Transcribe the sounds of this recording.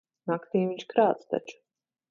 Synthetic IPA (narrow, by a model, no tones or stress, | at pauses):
nakt̪emit͡ʃkɾaːt͡s̪t̪a̰t͡ʃ